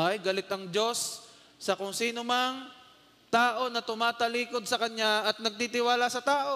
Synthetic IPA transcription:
ajɡɐlɪt̪ʔɐŋd͡ʒo̞sː | ɐkʊŋsiːnomɐŋ | t̪aːʔo̞nɐt̪ʊmaːt̪ɐliːko̞d̪̚sɐkɐɲɲaʔɐt̪̚nɐɡ̚t̪it̪ɪwaːlasɐt̪aːʔo̞

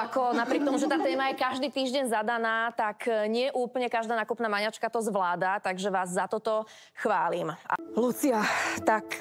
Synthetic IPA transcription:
akɔnapɾɪɛk̚t̪ɔmuʒɛt̪aːt̪ɛːmajɛkaʒd̪iːt̪iːʒɟɛnzad̪anaːt̪akɲɪɛʔuːpəɲɛkaʒd̪aːnaːkupnaːmaɲat͡ʃkat̪ɔzʋlaːd̪at̪aɡʒɛʋaːzːat̪ɔt̪ɔ | xʋaːlima̰lut͡siat̪ak

